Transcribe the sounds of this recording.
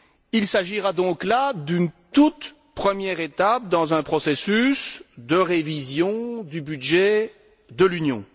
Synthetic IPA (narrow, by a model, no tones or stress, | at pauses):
ilsaʒiʁad̪ɔ̃klad̪ynt̪ut̪ | pχəmjɛʁet̪ap̚d̪ɑ̃zɛ̃pχɔsesysd̪əʁevizjɔ̃d̪ybyd̪ʒɛ | d̪əlynjɔ̰̃